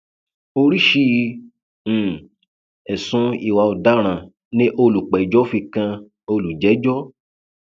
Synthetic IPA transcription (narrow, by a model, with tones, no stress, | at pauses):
o˧ɾi˦ʃĩ˦˨˧ | ɛ˨sũ˨˧i˦˨wa˧ɔ˨da˦ɾ̃ã˨ | nĩ˦ʔo˧lu˨k͡pɛ˨i˨d͡ʒɔ˨˦fi˧kã˧ | o˧lu˨d͡ʒɛ˨˦d͡ʒɔ˦